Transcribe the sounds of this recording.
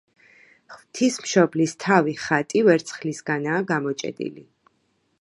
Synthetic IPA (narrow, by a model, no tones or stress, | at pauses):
χv̥t̪ʰismʃɔblist̪ʰaviχat̪ʼivɛɾt̪sʰχlisɡanaːɡamɔt͡ʃʼɛ̰d̪ḭlḭ